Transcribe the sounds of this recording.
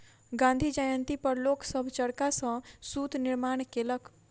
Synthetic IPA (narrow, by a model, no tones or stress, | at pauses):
ɡãnd̪ʱid͡ʒajənt̪ipəɾloksəbʱt͡ʃəɽkasə̃sud̪niɾmaɳkelək